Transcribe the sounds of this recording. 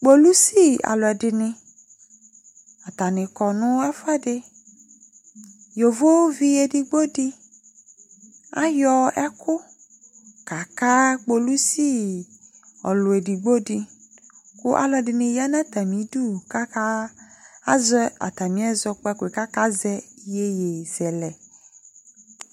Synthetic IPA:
k͡po˦lu˦si˦a̰˨lʊ˨ɛ˨dɪ˨nɪ̃˨ | a˨t̪a˨nɪ̃˨kɔ˨nʊ̃˦ɛ˦fɛ˦dɪ˦ | jo˨vo˦vi˦e˨di˨ɡ͡bo˦di˦ | a˦jɔ˦ɛ˦kʊ˦ | ka˨ka˦k͡po˨lu˦si˦ | ɔ˨lʊ˨e˨di˨ɡ͡bo˦di˦ | kʊ˦ʔa̰˨lɔ˨˦ɖɪ˨nɪ̃˨ja˦nã˦t̪a˨mĩ˨˦du˦˨ka˦ka˦ | a˦zɔ˦a̰˨t̪a˨mĩ˨˦ɛ˦zɔ˦k͡pɛ˦˨kʊ˨e˨ka˦ka˦zɛ˦je˦je˨z̥ɛ˨lɛ˨

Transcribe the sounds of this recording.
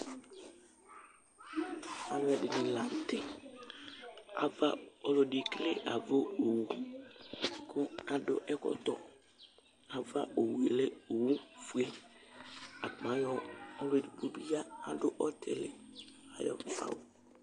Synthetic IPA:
a˨mʊ˨ɛ˨dɪ˨nɪ˨la˨tɪ˦ | a̰˨va˦ɔ˨lʊ˨dɪ˨klɪ˦ʔa˨vo˦o˨wu˨ | kʰʊ˦a˨dʊ̰˦ʔɛ˦kɔ̰˦t̪ɔ˨ | a˨va˦ʔo˨we˨lɪ˦o˨wũ˦fu˨˦e˦ | a̰˨pmã˨˦jɔ˦ɔ˦le˨˦di˨bo˨bi˦a˦a˨dʊ˦ʔɔ˦tʰɪ̰˨lɪ̰˨a˨jɔ̰˨fa̰˦˨wo˨

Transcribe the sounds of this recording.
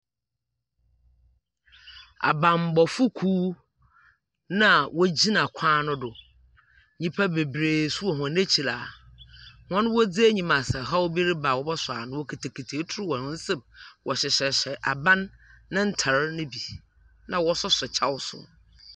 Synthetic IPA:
a̰˨bã˨m˨bɔ˨fʊ˦kʰuː˦ | nã˦˨wʔɔ˦d͡ʑi˦nã˨kʷʰãː˦nʊ̃˦dʊ˨ | ɲĩ˦pʰa˦be˨bɾeː˨su˦ɔ˨ɦɔ̃˨ne˦t͡ɕʰi˨laː˨ | hɔ̃˦nʊ̃˦wɔ˦d͡zi˦e˦ɲĩ˨mã˨sa˨ɦa˦wbi˦ɾi˦ba˨wɔ˦bɔ˦sʊ˨a̰˨nʊ̃˦wo˦kʰi˨tʰe˨kʰi˨tʰe˨˦tʰʊ˦ɾu˦wɔ̃˨nʊ̃˦n̩˦sɛ˦bwʔɔ˨ɕɪ˨ɕɛ˨ɕɛ˨ʔa˨bã˦nːã˦n̩˦tʰa˨ɾnʊ̃˦bi˨ | nã˨wɔ˦sʊ˦sʊ˨t͡ɕʰa˦wsʊ̰˦

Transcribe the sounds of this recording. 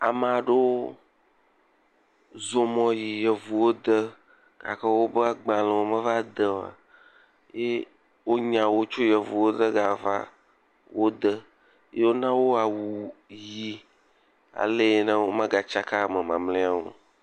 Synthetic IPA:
a˨m˨a˨ɖo˦ | zo˨mɔ̃˨ji˨jɛ˨vu˨wo˦d̪ə˦ | ɡ̥a̰˨kə˦wo˦bə˦a˦ɡ͡bã˨lɛ̃˨wo˦mə̃˦va˦d̪ə˨a̰˨ | je˦ | wo˦ɲã˨wo˦t͡ʃo˦jɛ˨vu˨wo˦d̪ə˦ɡa˨va̰˦ | wo˦d̪ə˦ | je˦wo˦nã˦wo˦a˨wu˨ji˨ | a̰˨le˦nə̃˦wo˦mã˦ɡa˨t͡ʃa˦ka˦˨mɛ̃˨mã̰˨mlẽ˦a˨wo̰˨

